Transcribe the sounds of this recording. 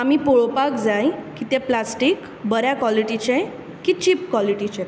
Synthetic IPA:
amipoɭopakd͡zajkit̪ɛ̃plasʈik | bəɾjakʋaliʈit͡ɕẽ | kit͡ɕipkwaliʈit͡ɕẽ

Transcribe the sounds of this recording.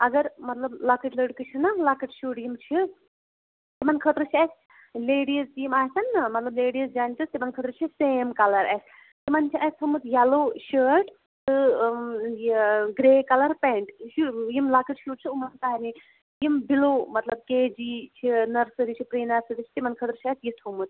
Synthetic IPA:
ɐɡɐɾmɐt̪lɐblakəʈləːɖkɨt͡ʃʰinɐlakɨʈʃuːʈjimt͡ʃʰi | t̪imɐnkʰət̪ɾɨt͡ʃʰiɐs | leːɽizt̪ijimaːɦsɐnːɐmɐt̪lɐbleːɽizd͡ʒaːnt̪ɨst̪imɐnkʰəːt̪ɾɨt͡ʃʰiseːmkɐlɐɾɐs | t̪imɐnt͡ʃʰiʔɐsʰɐmɨt̪ʰjaloːʃəːʈ | t̪ɨ | ɡɾeːkɐlɐɾpeɳʈʃujimlaːkɨʈʃuːʈ̚t͡ʃʰiumɐnt̪aːni | jimbilomɐt̪lɐb̚keːd͡ʒit͡ʃʰinɐɾsɨɾit͡ʃʰipɾiːnɐɾsɨɾit͡ʃʰi̥t̪imɐnkʰət̪ɾɨt͡ʃʰiɐsjit̪ʰumɨt̪̚

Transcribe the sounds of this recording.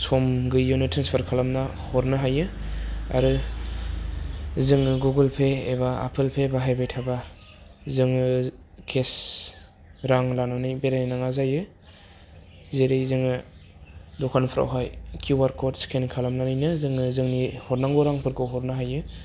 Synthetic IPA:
sɔmɡɯjunɯtʰɾanspʰaɾkʰalamna | hɔɾnɯɦajɯa̰ɾɯ | zɯŋɯɡuɡɯlpʰeːβaa̰pʰɯlpʰebaɦajbejtʰaba | zɯŋɯ | kʰes | ɾaŋlananɯjbeɾanaŋazajɯ | zeɾejzɯŋɯ | dɔkʰanpʰɾʔa̰wɦajkʰuwaɾkɔtskʰenkʰalamnanɯjnɯzɯŋɯzɯŋnihɔɾnaŋɡɔɾaŋpʰɯɾkɯɦɔɾnaɦajɯ

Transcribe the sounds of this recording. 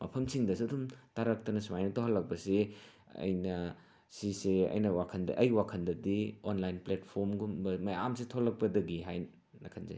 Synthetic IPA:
mɐpʰɐmsiŋdɐs̬iɐdumtaɾɐk̚tɐnɐsumajnɐtoɦɐlːɐk̚pɐse | ɐ̰jnɐ | siseɐ̰jnɐwakʰɐndɐ̰ʔɐjwakʰɐndɐdionlajnpletpʰoɾmɡumbɐmɐjamsetʰolɐk̚pɐdɐɡiɦaj | nɐkʰɐnzḛ

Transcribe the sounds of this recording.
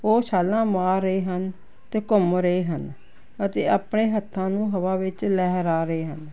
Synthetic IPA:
oːsaːlãːmaːɾːəeːɦən | t̪eːkʊmɾəeːɦən | ət̪eːaːpɳeːɦət̪ʰːãːnũːɦəʋaːʋɪt͡ʃlɛːɦɾaːɾəeːɦən

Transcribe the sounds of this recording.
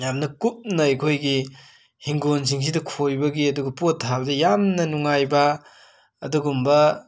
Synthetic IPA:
jamnɐkup̚nɐːjkʰojɡi | hiŋɡons̬iŋs̬idɐkʰojbɐɡiɐduɡɐpotʰːabɐdɐjamnɐnuŋajbɐ | ɐduɡumbɐ

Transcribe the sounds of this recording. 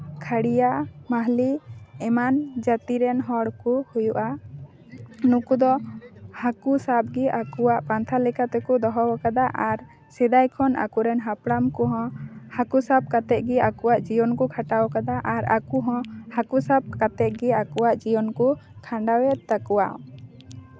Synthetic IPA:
kʰaɽijaʔmaɦliɛmand͡ʒat̪iɾɛnɦɔɽkuhujuʔa | nũkud̪ɔhakusab̚ɡɛʔakuwaʔpant̪ʰalɛkat̪ɛkud̪ɔɦɔwakad̪aʔaɾ | sɛd̪ajkʰɔna̰kuɾɛnɦapɽamkɔɦɔ̃hakusab̚kat̪ɛʔ̚ɡɛakuwaʔd͡ʒijɔnkukʰaʈawkad̪aʔaɾa̰kuɦɔ̃hakusab̚kat̪ɛʔ̪̚ɡɛakuaʔd͡ʒijɔnkukʰaɳɖawɛt̪̚t̪akuwa

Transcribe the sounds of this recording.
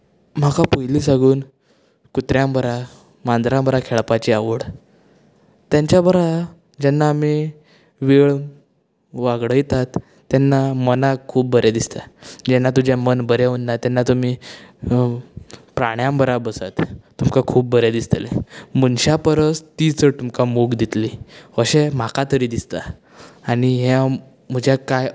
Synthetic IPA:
m̤akapujliːsãɡuːn | kut̪ɾjãmbəɾa | mand̪ɾãmbəɾakʰeɭpat͡ɕiaʋəɽ | t̪jaɲt͡ɕjabəɾa | d͡ʑɛnːaːmi | ʋiɭ | ʋaɡɽəjt̪at̪ː | janːamənakʰuːp̚ːbəɾed̪ist̪ad͡ʑɛnːat̪ud͡ʑamənbəɾeunːat̪ɛnːat̪um̤i | pɾaɳjãmbəɾabəsa̰t̪t̪ːumkakʰuːp̚bəɾjad̪ist̪lḛmunɕapəɾəst̪it͡sət̪umkamoɡd̪it̪liʋəɕem̤akat̪əɾiːd̪ist̪a̰ | aɽ̃iɦe | m̤əd͡ʑakaj

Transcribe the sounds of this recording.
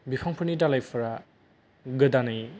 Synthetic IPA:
bipʰaŋpʰɯnidalajpʰɯɾa | ɡɯdanaj

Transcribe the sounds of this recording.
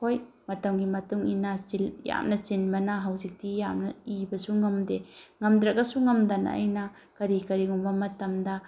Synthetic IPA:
kʰoj | mɐtɐmɡimɐtuŋinɐilja̰mnɐt͡ʃinbɐnɐɦɐwzik̚tijamnɐibɐsuŋɐmdeŋɐmdɾɐkːɐsuŋɐmdɐn̰ɐ̰jnɐ | kɐɾikɐɾiɡumbɐmɐtɐmdɐ

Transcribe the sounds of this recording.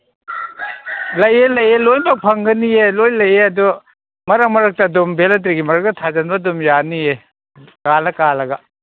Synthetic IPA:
lɐjelɐjelojbɐpʰɐŋɡɐnielojlɐjeɐdu | mɐɾɐmɐɾɐk̚tɐdumbelɐt̬ɾiɡimɐɾɐk̚tɐtʰazɐnbɐdumjanie | kalɐkalɐɡɐ

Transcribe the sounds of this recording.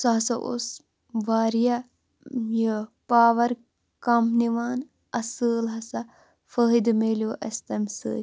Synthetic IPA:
sɐɐsɐʔo̰s | ʋaːɾija | jəpaːʋɐɾ | kɐmniʋaːn | ɐsəːlɦɐsɐ | fəɦid̪meːljoːʔɐst̪ɐmsə̰ː

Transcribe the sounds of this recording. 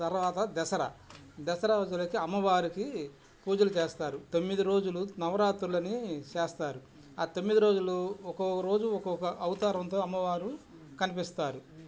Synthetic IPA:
t̪ɐɾʋaːt̪ɐd̪ɛsɐɾɐ̰ | d̪ɛsɐɾɐd͡ʒulɐkiɐmːɐʋaːɾiki | puːd͡ʒɐlut͡ʃeːst̪aːɾut̪o̞mːid̪iɾo̞ːd͡ʒulunɐʋɐɾaːt̪ɾulɐnit͡ʃeːst̪aːɾu | aːt̪omːid̪iɾo̞ːd͡ʒuloɔkoɾo̞ːd͡ʒuɔkɔkɐʔɐwut̪aːɾɐnt̪o̞ːɐmːɐʋaːɾu | kɐnipist̪aːɾu

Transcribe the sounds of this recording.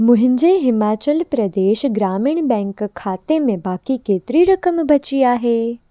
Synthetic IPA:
mʊ̃ɦɪ̃ɲd͡ʑeɦɪmaːt͡ɕəlpɾɐd̪eːʃɡɾaːmɪɽ̃bɛ̃ːŋkʰːaːt̪emẽbaːkikeːt̪ɪɾiɾɐkəmbʱɐt͡ɕiaːɦeː

